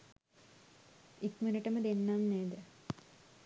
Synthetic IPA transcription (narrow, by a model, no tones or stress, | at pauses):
ikminiʈɐməd̪enːamneːd̪ə